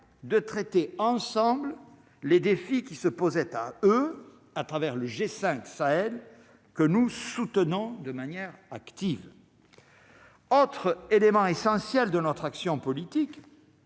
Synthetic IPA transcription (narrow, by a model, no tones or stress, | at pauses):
d̪ət̪χɛt̪eɑ̃sɑ̃bl | led̪efikʲisəpozɛt̪aø | at̪χavɛʁləʒesɛ̃ksaɛl | kənusut̪ənɔ̃d̪əmanjɛʁakt̪iv | ot̪χelemɑ̃esɑ̃sjɛld̪ənɔt̪χaksjɔ̃pɔlit̪ik